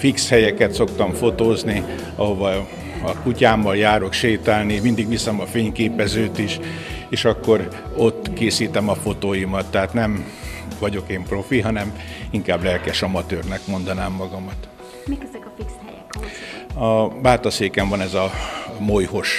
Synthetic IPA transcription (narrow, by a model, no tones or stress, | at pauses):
fikshɛjɛkɛt̪so̞kt̪ɒɱfo̞t̪oːzni | ɒɦo̞vɒ | ɒkucaːmːɒljaːɾokʃeːt̪aːlnimind̪iɡʋisɛmɒfeːɲkeːpɛzøːt̪iʃeːʃɒkːo̞r | o̞t̪ːkeːsiːt̪ɛmɒfo̞t̪oːjimɒt̪ːɛɦaːt̪nɛm | vɒɟo̞keːmpro̞fiɦɒnɛmiŋkaːblɛlkɛʃɒmɒt̪øːrnɛkmo̞nd̪ɒnaːmːɒɡɒmɒt̪ | mikzɛkɒfiksɛj | ɒbaːt̪ɒseːkɛɱvɒnɛzɒmojho̞ʃ